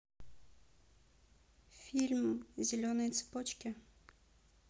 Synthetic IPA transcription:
fʲilʲmzʲɛlʲɔnɛjt̪sɨ̥pɔt͡ʃkʲɛ

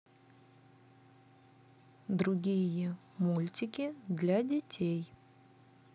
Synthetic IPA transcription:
d̪ɾʊɡʲijə | mulʲtʲɪkʲɪd̪lʲadʲɪtʲʰej

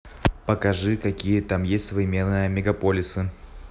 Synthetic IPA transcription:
pəkɐʐɨkɐkʲijət̪amjesʲtʲsəvɾʲɪmʲe̞nːɨjəmʲɪɡɐpolʲɪsɨ

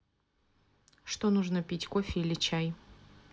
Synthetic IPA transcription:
ʂt̪onuʐnəpʲitʲkofʲɪilʲɪt͡ɕæj

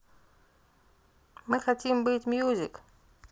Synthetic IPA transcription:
mɨxɐtʲimbɨtʲmʲjuzʲɪ̰k

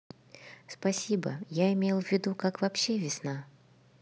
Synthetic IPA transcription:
spɐsʲibə̰jaɪmʲejlˠvʲːɪd̪ukakvɐpɕːe̞vʲɪsna

